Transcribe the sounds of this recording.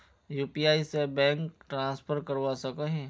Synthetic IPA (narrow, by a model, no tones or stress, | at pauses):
juːpiaːisebɛ̃ːŋkʈɾãːspʰəɾkəɾʋasəkəɦɛ̃